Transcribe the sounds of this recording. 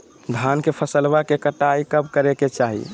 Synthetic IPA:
d̪ʱankepʰəsəlbakekəʈaikəb̚kəɾeket͡ʃaɦḭ

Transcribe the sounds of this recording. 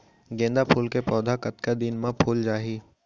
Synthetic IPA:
ɡẽːnd̪apʰuːlkepɔːd̪ʱakɐt̪kad̪ɪnmãpʰuːld͡ʒaːɦiː

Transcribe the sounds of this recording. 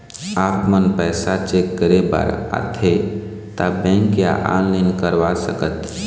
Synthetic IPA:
aːpmənpɛːsat͡ʃekːəɾeba̰ɾa̰t̪ʰe | t̪abɛ̃ŋkja̰ʔa̰nlinkəɾʋasəkət̪

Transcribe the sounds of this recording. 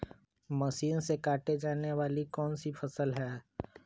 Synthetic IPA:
məʃiːnsekaːʈed͡ʒaːneʋaːlikɔːnsifʰɐsəlɦɛː

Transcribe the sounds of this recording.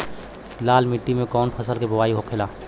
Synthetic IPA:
laːlmɪʈːimẽkɔːnpʰəsəlkebɐwaːiɦokʰeːlaː

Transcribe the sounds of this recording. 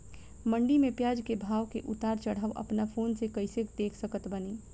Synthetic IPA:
mə̃ɳɖimẽpjaːd͡ʒkebʱaːʋkeʔʊt̪aːɾt͡ʃəɽ̤əʋʔə̰pnafʰoːnsekəɪsekd̪eːkʰsəkət̪bəniː

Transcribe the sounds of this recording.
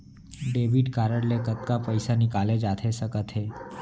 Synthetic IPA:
ɖeʋiɖkaɾəɽlekət̪kapəjsanikaled͡ʒat̪ʰesəkət̪ʰɦe

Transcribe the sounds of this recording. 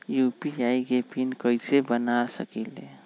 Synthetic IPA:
jupiaiɡepinkəɪsebənasə̰kile

